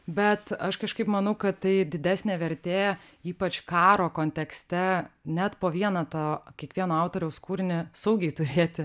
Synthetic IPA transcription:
bʲɛt̪ɐʃkɐʃkɐɪpmɐnɐʊkɐt̪tɐɪd̪ʲɪd̪ʲæːsʲnʲeːʋʲɛɾʲt̪ʲeː | iːpɐt͡ʃkɑːɾoːkoːnʲt̪ʲɛksʲt̪ʲɛnʲæt̪poːʋʲiɛnɐt̪ɐkʲiɛkʋʲiɛnoːɑʊt̪oːɾʲɛʊskuːɾʲɪnʲɪsɐʊɡʲɛɪt̪ʊɾʲeːt̪ʲɪ

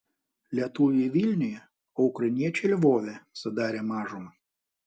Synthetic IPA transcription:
lʲɛt̪ujʲʋʲilʲnʲɪjɛ | ɔʊkɾɐnʲiɛt͡ʃʲɛlʲʋoːʋʲɛsɐd̪ɑːɾʲemɑːʒɔmɐ

